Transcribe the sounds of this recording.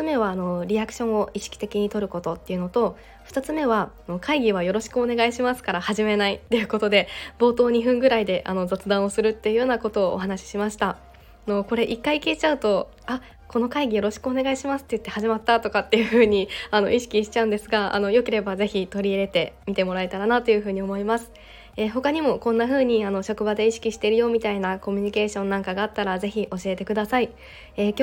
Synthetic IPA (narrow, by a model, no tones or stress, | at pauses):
t͡sɨme̞βaːno̞ɾʲiakɯ̟̥ɕõ̞ɰ̃o̞iɕi̥kʲi̥t̪e̞kʲiɲ̟it̪o̞ɾɯ̟ko̞t̪o̞t̪ːe̞jɯ̟no̞t̪o̞ | ɸɯ̟t̪at͡sɨme̞β̞aano̞kaiɡʲiβajo̞ɾo̞ɕi̥kɯ̟one̞ɡaiɕimasɨ̥kaɾahaʑime̞nait̪ːe̞jɯ̟ko̞t̪o̞d̪e̞bo̞ːt̪o̞ːɲ̟iɸɯ̟̃ŋɡɯ̟ɾaid̪e̞ʔa̰no̞zot͡sɨd̪ãɰ̃o̞sɨɾɯ̟t̪ːe̞jɯ̟joːnako̞t̪o̞̰ːɦanaɕi̥ɕimaɕi̥t̪a | no̞ko̞ɾe̞ʔikːaikʲiːt͡ɕaɯ̟t̪o̞ | a | ko̞no̞kaiɡʲijo̞ɾo̞ɕi̥kɯ̟o̞ne̞ɡaiɕimasɨ̥t̪ːeɯt̪ːe̞haʑimat̪ːat̪o̞kat̪ːe̞jɯ̟ɸɯ̟ːɲ̟iano̞̰ʔiɕi̥kʲiɕi̥t͡ɕaɯ̟̃nd̪e̞sɨɡaa̰no̞jo̞ke̞ɾe̞baze̞çit̪o̞ɾʲiɾe̞t̪e̞mʲit̪e̞mo̞ɾaet̪aɾanat̪o̞jɯ̟ɸɯ̟ːɲ̟io̞mo̞imasɨ̥ | eːɦo̞kaɲ̟imo̞kõ̞nːaɸɯ̟ːɲ̟iano̞ɕo̞kɯ̟bad̪e̞iɕi̥kʲiɕi̥t̪eɾɯ̟jo̞ːmʲit̪ainako̞mʲiɲ̟ike̞ːɕõ̞nːãŋkaɡaːt̪ːaɾaze̞çiʔo̞ɕie̞t̪e̞kɯ̟d̪asai | e̞ːkʲo